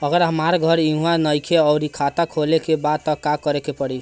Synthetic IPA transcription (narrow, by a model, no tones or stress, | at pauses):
əɡəɾɦəmaɾɡʱʌɾiɦũanəjkʰeəɾikʰat̪akʰolekebad̪̚t̪əkakəɾekepəɽi